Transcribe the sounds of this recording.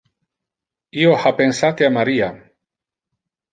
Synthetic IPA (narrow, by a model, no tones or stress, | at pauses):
iohapensat̪eamaɾia